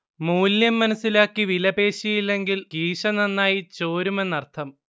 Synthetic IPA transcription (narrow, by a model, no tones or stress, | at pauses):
muːljɐmːɐnɐsːilaːkːiʋilɐbpe̞ːɕijilːe̞ŋɡilkiːʂɐnɐnːaːjit͡ɕo̞ːɾume̞nːɐrt̪ʰɐm